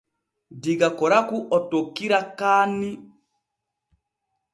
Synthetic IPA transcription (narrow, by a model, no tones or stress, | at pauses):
diɡakɔɾakuʔɔtokːiɾakaːni